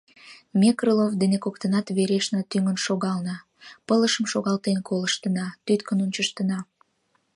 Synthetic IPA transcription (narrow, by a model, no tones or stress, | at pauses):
mʲekrəlovd̪enekokt̪ənɑt̪βeɾeʃnɑt̪yŋənʃoɣɑlnɑ | pələʃəmʃoɣɑlt̪enkoləʃt̪ənɑt̪yt̪kənunt͡ɕəʃt̪ənɑ